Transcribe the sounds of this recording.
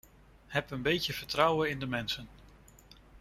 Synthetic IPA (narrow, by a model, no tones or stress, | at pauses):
ɦɛpənbejtjəv̥əɹtrʌwəɪndəmɛnsən